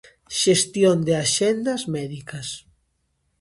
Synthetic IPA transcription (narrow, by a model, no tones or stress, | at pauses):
ʃest̪jond̪eaʃɛnd̪ɐzmɛðikɐs